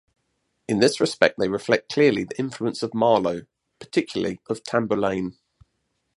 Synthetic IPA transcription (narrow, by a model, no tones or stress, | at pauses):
ɪ̃nðɪsɹɪspɛk̚ðeɪɹɪflɛk̚kʰl̥ɪəliðiʔɪ̃ɱfluə̃nsəvmɑːləʊ | pʰə̥tʰɪkʰjl̩ˠə̰liəv̥tʰãmbəlẽɪ̃n